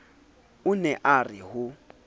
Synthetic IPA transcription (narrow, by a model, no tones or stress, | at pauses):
ʊnɛʔarɪɦʊ